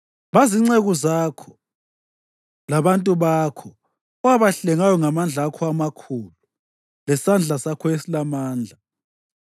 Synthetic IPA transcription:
βaziŋ͡ǀeɣuzakʰɔ̥ | laβantʼuβakʰɔ | ɔwaβaɬɛŋajɔŋamand͡ɮʱakʰɔamakʰuːlu | lɛsand͡ɮʱasakʰɔesilamaːnd͡ɮʱa

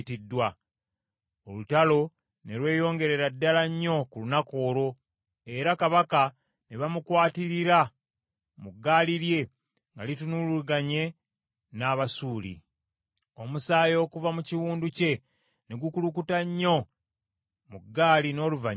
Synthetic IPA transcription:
tidːwa | olutalo̞ | ne̞lwe̞ːjo̞ːŋɡe̞ɾe̞ɾadːalaɲːo̞kulunako̞ːɾo̞ | e̞ɾakaβaka | neβamukwaːtiɾiɾa | muɡːaːliɾje̞ | ŋɡalitunuluɡaɲe̞ | naːβasuːlḭ | o̞musaːjo̞ːkuvamuciwuːnduce̞ | neɡukulukutaɲːo̞ | muɡːaːlino̞ːluva

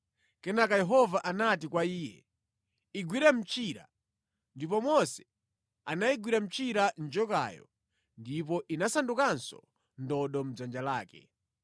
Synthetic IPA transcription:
kɛnakajɛɦɔvaʔanat̬ikwaiːjɛ̰ | iɡwiɾam̩t͡ʃiɾa̰ | ndip̬ɔmɔsɛ̥ | anaiɡwiɾam̩t͡ʃiɾand͡ʒɔka̰ːjɔ̰ | ndipɔʔinasandukansɔ̰ | ndɔɗɔm̩d͡zand͡ʒalaːkɛ̰

